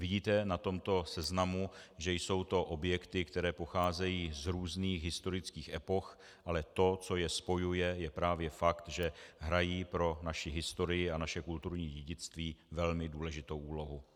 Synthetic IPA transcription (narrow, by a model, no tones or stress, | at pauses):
vɪɟiːt̪ɛnat̪o̞mt̪o̞sɛznamuʒɛjso̞wt̪o̞ʔo̞bjɛkt̪ɪkt̪ɛɾɛːpo̞xaːzɛjiːzɾuːzniːxɦɪst̪o̞ɾɪt͡skiːxʔɛpo̞x | ʔalɛt̪o̞t͡so̞jɛspo̞jujɛjɛpɾaːvjɛfakt̪ʒɛɦɾajiːpɾo̞naʃɪɦɪst̪o̞ɾɪjɪanaʃɛkult̪uɾɲiːɟɛɟɪt͡st̪viːvɛlmɪduːlɛʒɪt̪o̞wuːlo̞ɦu